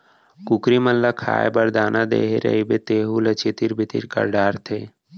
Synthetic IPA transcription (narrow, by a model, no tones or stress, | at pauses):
kʊkɾiməlːakʰa̰ːebəɾd̪aːnad̪ḛːɦḛɾə̰ɦibet̪eːɦulət͡ʃit̪iɾbʱɪt̪ḭɾkə̰ɾɖaːɾt̪ʰeː